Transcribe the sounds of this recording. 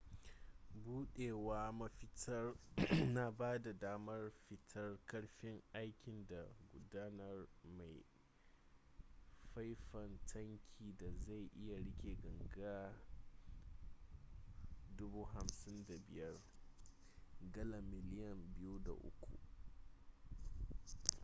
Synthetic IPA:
buː˦ɗeː˨waː˦mɐ˦ɸɪ˦tʰɐ˦rna˨baː˦da˨daː˦mɐ˦rɸɪ˨tʰɐ˦rkɐ˦ɽɸɪ˦ŋʔa˦jkʲɪ˨nda˨ɡʷʊ˦daː˦nɐ˦rma˨j | ɸa˦jɸɐ˨ntʰɐ˦ŋkʲʰiː˨da˨za˦˨jʔɪ˦ja˨ɽɪ˦kʲe˨ɡɐ˨ŋɡaː˦ | dʊ˦buː˦ɦa˨msɪ˦nda˨bɪ̰˨jɐ˦r | ɡɐ˦la˨mːɪ˨lɪ˦jɐ˨mbɪ˦ju˦da̰˨ʔʊ̰˦kʷṵ˨ʔ

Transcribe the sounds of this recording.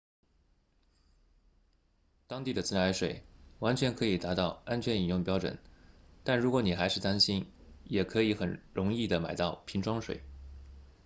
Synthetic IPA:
t̪ɑ˥ŋt̪i˥˩d̪ə˩t͡sɹ̩˥na˧˥ɪʂwe˨˩ɪwa˧˥nt͡ɕʰɥɛ˧˥nkʰɤ˧˥i˨˩t̪a˧˥t̪ɑ˥˩ʊa˥nt͡ɕʰɥɛ˧˥ni˨˩njʊ˥˩ŋpjɑ˥ʊʈ͡ʂwə̰˨˩˦nt̪a˥˩nɻu˧˥kwɔ˧˥ni˨˩xa˧˥ɪʂɻ̩˥˩t̪a˥nɕi˥njɛ˨˩kʰɤ˧˥i˧˥xə˨˩nɻʊ˧˥ŋi˥˩d̪ə˩ma˨˩ɪt̪ɑ˥˩ʊpʰi˧˥nʈ͡ʂʰwɑ˥ŋʂwḛ˨˩ɪ

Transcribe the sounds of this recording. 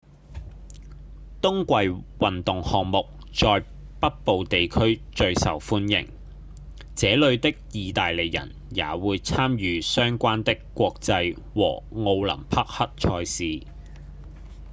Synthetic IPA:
t̪ʊ˥ŋkʷɐ˨jwɐ˨nt̪ʊ˨ŋhɔː˨ŋmʊ˨k̚ | t͡ʃɔː˧j | pɐ˥t̚po˨wt̪e˨jkʰɵ˥ɥt͡ʃɵ˧ɥsɐ̰˨˩wfuː˥njɪ̰˨˩ŋ | t͡sɛː˨˥lɵ˨˧ɥt̪ɪ˥k̚jiː˨t̪aː˨jle˨˩jjɐ̰˨˩n | ja̰ː˨˥wuː˨˧jt͡sʰaː˥mjyː˨˧sœː˥ŋkʷaː˥nt̪ɪ˥kːʷɔː˧k̚t͡sɐ˧j | wɔ̰ː˨˩ŋo˧wlɐ̰˨˩mpʰɐ˥k̚hɐ˥t̚t͡ʃʰɔː˧jsiː˨˧

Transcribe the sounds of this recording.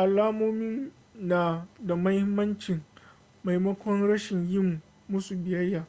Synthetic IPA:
ʔa˨laː˦moː˦mɪ˦n | naː˨da˨mɐ˦hɪ˦mːɐ˦nt͡ʃɪ˨ŋ | ma˨jmɐ˦kʷɔ˦nɽɐ˦ʃɪ˨ɲjɪ˦mu˨ | mʊ˦su˨bɪ˨jɐ˦jːaː˨

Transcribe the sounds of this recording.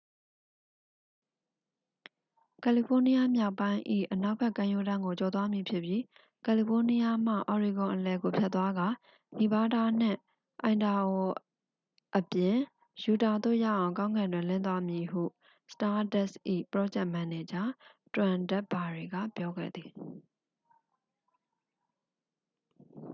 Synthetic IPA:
kɛ˨li˨pʰo˦ni˦ja˦mja˦ʊpːã˦ɪ̃ʔḭ˦˨ʔəna˦ʊpʰɛ˦ʔkːã˦˨jo˦˨dã˦ŋɡo˨t͡ɕɔ˨t̪wa˦mji˨pʰjɪ˦ʔpːji˦ | kɛ˨li˨pʰo˦ni˦ja˦m̥a̰˦˨ʔɔ˨ɹi˨ɡʊ̃˨ʔəlɛ˨ɡo˨pʰjɛ˦t̪ːwa˦ɡa˨ | ni˨ba˦da˨n̥ɪ̰̃˦˨ | ʔã˨ɪ̃nda˨ɔ˨ | ʔəpjɪ̃˨ | ju˨ta˨d̪o̰˦˨ja̰˦˨ʔã˨ʊ̃kã˦ʊ̃ŋɡã˨ndwɪ̃˨lɪ̃˦˨nt̪wa˦mji˨ɦṵ˦˨ | sə̥ta˦dɛ˦sʔḭ˦˨pəɹɔ˦d͡ʑɛ˦ʔmã˨ne˨d͡ʑã˦twã˨ndɛ˦ʔba˨ɹi˨ɡä̰˦˨pjɔ˦ɡɛ̰˦˨d̪ði˨

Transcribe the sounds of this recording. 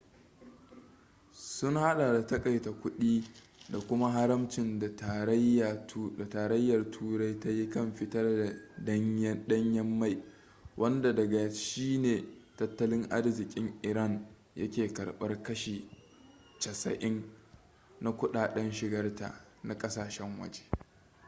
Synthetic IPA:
sʊ˦ŋha˦ɗa˨da˨tɐ˦kʼa˨jta˨kʷʊ˦ɗiː˦ | da˨kʷʊ˦ma˦ɦa˦ɾɐ˦mt͡ʃɪ˨nda˨ta˨ɾtda˨taː˨ɾɐ˦jːɐ˨rtʰuː˦ɾa˦jta˦ji˦kɐ˦˨mɸɪ˦tɐ˦rda˨˦ | ɗɐ˦ɲjɐ˦mːa˦˨j | wʔɐ˦nda˨dɐ˨ɡa˨ʃiː˦neː˨tɐ˦tːɐ˦lɪ˦ŋʔa˦rzɪ˨kʲʼɪ˦ŋʔɪ˨ɾɐ˦˨n | jɐ̰˦kʲeː˨kɐ̰˨ɽɓɐ̰˦rkɐ˦ʃiː˨ | t͡ʃɐ˨sɐ̰˨ʔɪ˦n | na˦kʷʊ˦ɗaː˨ɗɐ˦nʃɪ˨ɡɐ˦rta̰˨na˨kʼɐ˦saː˨ʃɛ˦ŋwɐ̰˦d͡ʒe̥˦

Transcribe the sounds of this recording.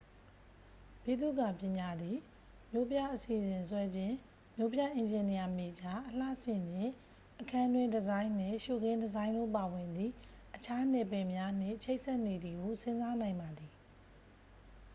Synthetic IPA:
pi˨d̪ṵ˦˨ɡa˦˨pjɪ̃˨ɲa˨d̪ði˨ | mjo˦pja˦ʔəsi˨ʔzɪ̃˨nswɛ˦d͡ʑɪ̃˦˨ | mjo˦pja˦˨ʔɪ̃˨ɲd͡ʑɪ̃˨ni˨ja˨me˨d͡ʑa˦ʔəl̥a̰˦˨sɪ̃˨ɲd͡ʑɪ̃˦˨ | ʔəkʰã˦˨ndwɪ̃˦dəzã˦ɪ̃n̥ɪ̰̃˦˨ʃu˦˨ɡɪ̃˦ndəzã˦ɪ̃ndo̰˦˨pa˨wɪ̃˨nd̪ðḭ˦˨ | ʔət͡ɕʰa˦n̥ɛ˨pɛ˨mja˦n̥ɪ̰̃˦˨t͡ɕʰe˦ɪʔsɛ˦ʔne˨d̪ði˨ɡo˨sɪ̃˦nza˦nã˨ɪ̃mba˨d̪i˨

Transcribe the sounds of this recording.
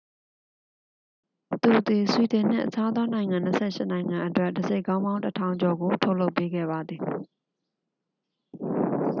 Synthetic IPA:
t̪u˨ʔt̪i˨swi˨tɪ̃˨n̥ɪ̰̃˦˨ʔət͡ɕʰa˦d̪ɔ˦nã˨ɪ̃ŋã˨n̥əsʰɛ̰˦˨ʃɪ̰˦nã˨ɪ̃ŋã˨ʔətwɛ˦˨dəze˦ɪʔkːã˦ʊ̃mbã˦ʊ̃tətʰã˨ʊ̃ɲd͡ʑɔ˨ɡo˨tʰo˦ʊʔlo˦ʊpːe˦ɡɛ̰˦˨ba˨d̪ði˨

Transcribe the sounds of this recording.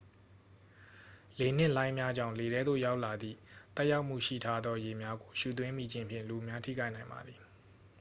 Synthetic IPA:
le˨n̥ɪ̰̃˦˨lã˦ɪ̃mja˦d͡ʑã̰˦˨ʊ̃le˨ɾɛ˦d̪o̰˦˨ja˦ʊʔla˨d̪ðḭ˦˨t̪ɛ˦ʔja˦ʊʔm̥ṵ˦˨ʃḭ˦˨tʰa˦d̪ðɔ˦je˨mja˦ɡo˨ʃṵ˦˨t̪̬wɪ̃˦mi˨d͡ʑɪ̃˦˨mpʰjɪ̰̃˦˨lu˨mja˦tʰḭ˦˨ka˦ɪʔnã˨ɪ̃mba̰˨d̪ði˨

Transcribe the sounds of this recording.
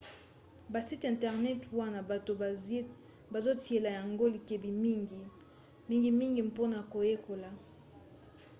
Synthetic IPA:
ba˨si˦tɛ̃˨ntɛ˨ʁnɛ˦twa˦na˨ba˨to˨˦ | ba˨zo˦ti˨e˨la˨ja˨ŋɡo˦li˨ke˨bi˨mi˦ŋɡi˨ | mi˦ŋɡi˨mi˦ŋɡi˨mpo˦na˨ko˨je˦ko˨la˨

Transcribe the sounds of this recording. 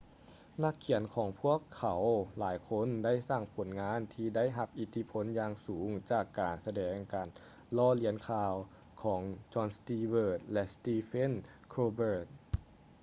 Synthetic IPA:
na˧˥kʰːi˨˩˦ənkʰɔː˩˦ŋpʰu˥˩əkʰːa˩˦wlaː˩˦jkʰo˧˥˨nda˥˩˨jsaː˧˩ŋpʰo˨˩˦nŋaː˧˥˨nt̪ʰiː˧da˥˨jɦa˧p̚ʔi˧˩t̪ʰi˧˥pʰo˧˦˨njaː˧ŋsuː˩˦ŋt͡ɕaː˨˩kːaː˨˩nsa˧dɛː˨˩ŋkaː˨˩n | lɔː˧˩li˧˦ənkʰaː˧w | kʰɔː˩˦ŋt͡ɕɔː˧nst̪iː˧wɤː˧˩t̪̚lɛ˧st̪iː˧fe˧˥˨n | kʰoː˧bɤː˧˩t̪̚

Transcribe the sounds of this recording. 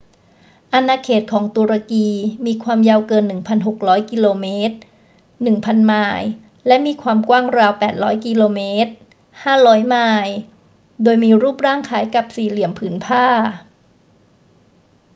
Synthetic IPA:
ʔa˧nːaː˧kʰeː˨˩t̪̚kʰɔː˩˦ŋt̪u˧ɾa˧kiː˧miː˧kʰwaː˧mjaː˧wkɤː˧nːɯ˨˩ŋpʰa˧nɦo˨˩k̚ɾɔː˦˥jki˧loː˧meː˦˥t̪̚ | nɯ˨˩ŋpʰa˧nmaː˧˩j | lɛ˦˥ʔmiː˧kʰwaː˧mkwaː˥˩ŋɾaː˧wpɛː˨˩t̪̚ɾɔː˦˥jki˧loː˧meː˦˥t̪̚ | haː˥˩ɾɔː˦˥jmaː˧˩j | doː˧jmiː˧ɾuː˥˩p̚ɾaː˥˩ŋkʰaː˩˦jka˨˩p̚siː˨˩li˨˩˦əmpʰɯː˩˦npʰaː˥˩

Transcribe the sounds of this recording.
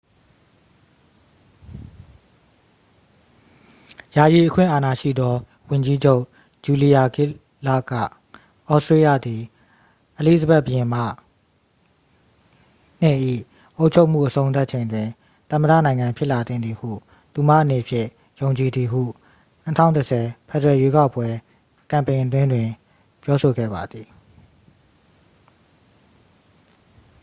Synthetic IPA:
ja˨ji˨ʔəkʰwɪ̰̃˦˨ʔa˨na˨ʃḭ˦˨d̪ɔ˦ | wʊ̃˨ɲd͡ʑi˦d͡ʑo˦ʊʔ | d͡ʑu˨li˨ja˨ɡɪ˦˨ | la̰˦˨ka̰˦˨ | ʔɔ˦ʔsɹe˦jä̰˦˨d̪i˨ | ʔəli˦˨zəbɛ˦ʔbəjɪ̃˨ma̰˦˨ | n̥ɪ̰̃˦˨ʔḭ˦˨ | ʔo˦ʊʔt͡ɕʰo˦ʊʔm̥ṵ˦˨ʔəsʰõ˦ʊ̃t̪̬a˦ʔ̚t͡ɕʰẽ˨ɪ̃˨ndwɪ̃˨ | t̪ã˨məda̰˦˨nã˨ɪ̃ŋã˨mpʰjɪ˦ʔla˨t̪ɪ̰̃˦˨nd̪i˨hṵ˦˨ | t̪u˨ma̰˦˨ʔəne˨pʰjɪ̰̃˦˨ | jõ˨ʊ̃ɲt͡ɕi˨d̪ði˨ɦṵ˦˨ | n̥ə˦tʰã̰˦˨ʊ̃ntəsʰɛ˨pʰɛ˦˨təɹɛ˨je˦ka˦ʊpːwɛ˦ | kã˨mpẽ˨ɪʔət̪̬wɪ̃˦ndwɪ̃˨ | pjɔ˦so˨ɡɛ̰˦˨ba˨d̪ði˨

